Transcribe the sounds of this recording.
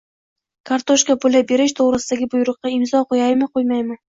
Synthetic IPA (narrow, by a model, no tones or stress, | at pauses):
kʰaɾt̪ʰoʃkabolʲabe̞ɾɪʃt̪ʰoʁɾɨsɪd̪aɡʲɪbʊjʊɾʊqːɑɪmzɒqʰojɑjmɪqʰojmajmɪ